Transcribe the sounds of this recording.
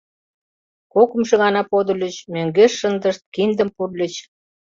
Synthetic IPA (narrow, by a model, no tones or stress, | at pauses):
kokə̆mʃɤ̆ɣɑnɑpod̪ə̆lʲə̆t͡ɕmøŋɡeʃːə̆nd̪əʃt̪̚kind̪ə̆mpurlʲə̆t͡ɕ